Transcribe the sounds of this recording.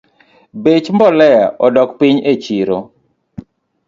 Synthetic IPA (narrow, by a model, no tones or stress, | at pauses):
bet͡ʃmbɔlɛjaʔɔdɔkpɪɲet͡ʃiɾo